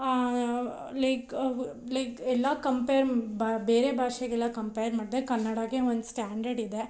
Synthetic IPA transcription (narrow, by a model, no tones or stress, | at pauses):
lɐɪklɐɪkɛlːakɐmpeːɐɾbbeːɾebʱaːʃeɡɛlːakɐmpejɾmaːɽid̪ekɐnːɐɽaɡeond̪sʈaːɳɖɐɾɖid̪e